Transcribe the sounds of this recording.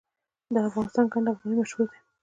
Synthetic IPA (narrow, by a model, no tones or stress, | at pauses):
d̪əafɣɑnɪst̪ɑnkaɳɖafɣɑninaʃued̪e